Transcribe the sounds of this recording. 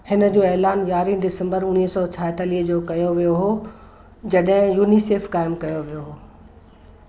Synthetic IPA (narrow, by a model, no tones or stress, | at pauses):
hɪnə̆d͡ʑoːɛːlaːnʋjaːɾĩnɖɪsə̃mbəɾʊniːsɔːt͡ɕʰaːɦt̪əliːɦəd͡ʑoːkɐjoʋijoɦoː | d͡ʑɐɗɦɪ̃juːniseːfkaːɪmkɐjoʋijoɦoː